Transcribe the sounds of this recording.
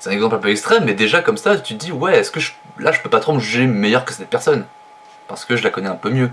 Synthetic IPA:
sɛt̪ɛ̃nɛɡzɑ̃plɛ̃pøɛkst̪χɛmːɛd̪eʒakɔmsat̪yd̪iwɛɛskəʒə | laʒəpøpat̪χoməʒyʒemejœʁkəsɛt̪̚pɛʁsɔn | paʁsə̥kəʒəlakɔnɛɛ̃pømjø

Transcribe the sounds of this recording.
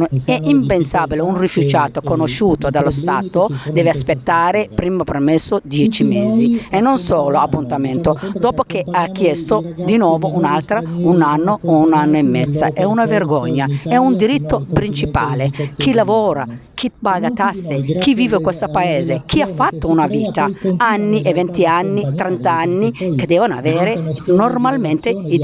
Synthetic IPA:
ɛʔimpensaːbileunrifud͡ʒaːt̪okonoʃːuːt̪od̪alost̪aːt̪od̪ɛːveaspet̪ːaːɾepɾiːmapermɛsːod̪jɛːt͡ʃimeːzienːonsoːloapːunt̪amɛnt̪od̪ɔːpokeakːjɛst̪od̪inɔːvoʔunalt̪ɾaunanːoounanːoɛmːɛt̪sːa̰ʔɛunaverɡɔɲːaɛund̪iɾit̪ːopɾint͡ʃipa̰ːlekilavɔːɾa̰ | kʰipaːɡat̪asːekiviːvekwest̪apaeːzek̟ʰiafːat̪ːounaviːt̪aanːiʔevɛnt̪ianːit̪ɾɛnt̪aanːiked̪ɛːvanoa̰vɛːɾenormalment̪ei

